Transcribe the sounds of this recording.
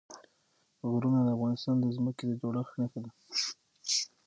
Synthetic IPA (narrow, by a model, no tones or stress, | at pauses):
ɣɾunad̪əafɣɑnɪst̪ɑnd̪əzməked̪əd͡ʒoɽaxnaxed̪a